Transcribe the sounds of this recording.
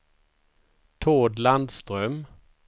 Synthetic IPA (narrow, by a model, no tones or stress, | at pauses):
t̪ʰoːd̪land̪st̪ʁœm